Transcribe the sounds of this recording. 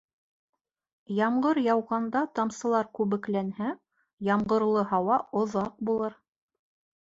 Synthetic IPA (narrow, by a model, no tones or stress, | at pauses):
jɑmɢɤɾjɑwʁɑnd̪ɑt̪ɑmsɤ̆lˠɑɾkʉβɘ̆klænhæ | jɑmɢɤ̆ɾlˠɤɦɑwɑŏðɑq̚bulˠɤɾ